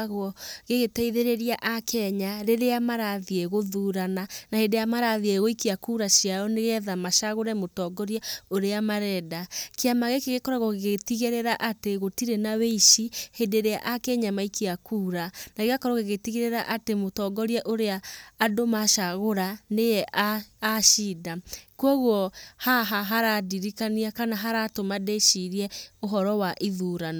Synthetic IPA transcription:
ɣwɔɣeɣetɛiðeɾeɾiaʔakʰɛɲaɾeɾeamaɾaðieɣoðuːɾananahedejamaɾaðieɣoikeakuɾaɕiaɔneɣɛðamaʃaɣoɾɛmotɔɡɔɾiaoɾeamaɾɛdakeamaɣekeɣekɔɾaɣɔɣeɣtiɣeɾɛɾaʔateɣotiɾenaweiʃihedeɾea̰ʔakeɲamaikiakuːɾanaɣeakɔɾɔɣeɣetiɣeɾeɾaʔatemotɔɡɔɾjaʔoɾeaːdomaʃaɣoɾanejɛʔaaʃiːdakwɔɣwɔhaɦaɦaɾadiɾikaniakanaɦaɾatomadeʃiɾiɛoɦɔɾɔwaʔiðuɾana

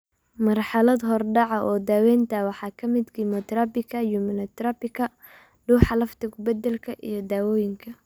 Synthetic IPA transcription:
mɐrħɑlɐd̪ɦɔrɖɑʕɐʔɔːd̪aːwɛːnt̪ʰɐwɑħɑːkʰɐmɪd̪ɡimɔt̪ɾɐbɪkʰɐjumɪlɐt̪ɾɐpɪkʰɐ | ɖuːħɑlɐft̪ʰɐkʰʊbɐd̪ɛlkʰɐʔḭjɞd̪aːwɔːjɪŋkʰɐ

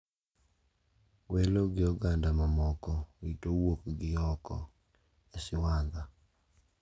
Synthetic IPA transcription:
weloɡɪɔɡandamamɔkɔwitowokɡɪjɔkɔ̰ | esɪwanda

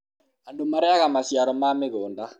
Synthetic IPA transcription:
andomaɾɛaɣamasjaɾɔmamɪɣoːnda

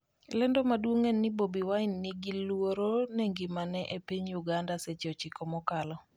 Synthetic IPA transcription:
lɛndɔmadwoŋɛnːɪbobiwaɪnːɪɡilwoɾoneŋɡɪmanɛʔepiɲjuɡandaset͡ʃot͡ʃikɔmɔkalɔ

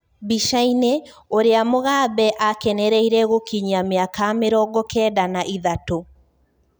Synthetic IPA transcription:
biʃaineoɾeamoɣaːbɛʔakɛnɛɾɛiɾɛɣokiɲiameakameɾɔɡɔkɛːdanaʔiðato

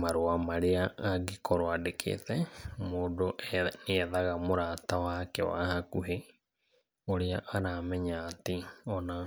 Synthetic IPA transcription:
maɾoamaɾeaʔaɡekɔɾwadekʰḛtɛmodoʔneɛðaɣamoɾatawakɛ̰wa̰ɦakuɦe | oɾeaʔaɾamɛɲaːteɔna

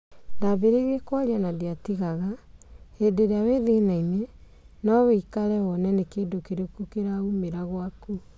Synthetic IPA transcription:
naβeɾeɣekwaɾianadeatiɣaɣaedeɾeaweðenaine | nɔβeikaɾɛwɔnɛnekeːndokeɾekukeɾaumeɾaɣwaku

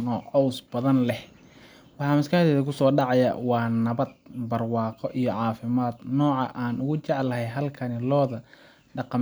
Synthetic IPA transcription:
nɔːʕɔwsbɐðɐnlɛh | wɑħɑːmɪskahd̪ɛːðɐkʰʊsɔːɖɑʕɑjɐ̰wɑːnɐβɐd̪̚bɐrwɑːqɔʔijɔʕɑːfɪmaːd̪nɔːʕɑʔaːnʔʊɣʊt͡ʃɛʕlɐɦɛjɦɐlkʰɐnɪlɔːðɐ | ɖɑqɑ

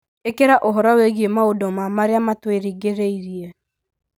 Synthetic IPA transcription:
ekeɾaʔoɦɔɾɔweɣiemaodɔmamaɾeamatweɾiɡeɾeiɾie

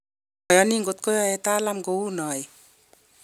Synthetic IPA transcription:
ɔjɔniŋɡot̪kojɔjet̪alamɡounɔj

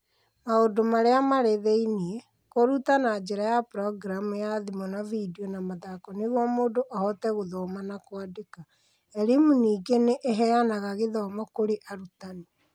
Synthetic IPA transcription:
maodomaɾeamaɾeðeiniɛ | koɾutanad͡ʒeɾajapɾɔɡɾamujaðimɔnavidiɔnamaðaːkɔneɣwamoːdoʔahɔtɛɣoðoːmanakwadeka | ɛɾemuniːɡeneʔeɦɛanaɣaɣeðɔːmɔkoɾeʔaɾutane

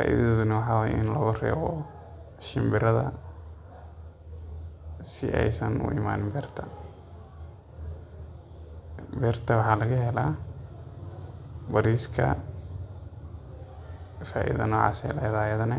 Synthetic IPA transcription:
fa̰ːʔḭððʊnɐwɑħɑːwaːj̰ʔɪnlɔːɣʊrɛ̰ːɣɔ | ʃɪmbɪɾɐðɐ | sɪʔɛjsɐnʊ̰ʔɪ̰ma̰ːnɪmbɛːrt̪ʰɐ | bɛrt̪ʰɐwɑħɑːlɐɣɐɦɛla | bɐɾiːskʰɐ̰ | fa̰ːʔḭðɐ̰nɔːʕɑ̰ːsɛ̰lɐjɐðaːjɐðɐnɐ

